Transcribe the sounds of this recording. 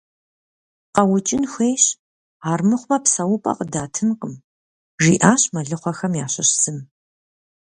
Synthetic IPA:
qɐwʊt͡ʃʼɪnxʷeːjɕ | aːrmɨχʷmɐpsɐwʊpʼɐ̰qədaːtʰɨnqəm | ʒḭːʔaːɕmɐɮɨχʷɐxɐmjaːɕɐɕsɨm

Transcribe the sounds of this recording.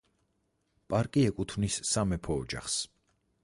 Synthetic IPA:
pʼaɾkʼiɛkʼut̪ʰvnisːamɛpʰɔːd͡ʒa̰χs

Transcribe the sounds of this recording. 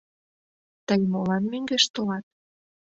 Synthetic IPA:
t̪əjmolɑnmøŋɡeʃt̪olɑt̪̚

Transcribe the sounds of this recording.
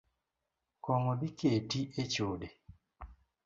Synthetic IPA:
koŋoβikeːtiʔecoːde

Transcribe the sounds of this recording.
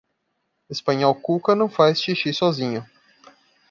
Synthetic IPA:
espɐ̃ɲɔwkukɐnɐ̃w̃fajst͡ʃiʃisɔzĩɲʊ

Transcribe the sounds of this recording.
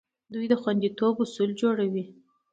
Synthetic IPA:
d̪ujd̪əxwand̪it̪obʊsuld͡ʒoɽawi

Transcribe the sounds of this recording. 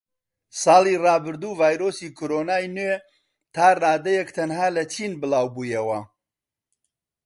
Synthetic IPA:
sɑːliːrɑːbɨɾd̪uːvaːjɾoːsiːkʰoɾonaːjnwe | t̪ʰaːraːd̪ɐjekt̪ʰɐnhaːlɐt͡ʃʰiːnbɨlˠaːwbuːjɐwɐ

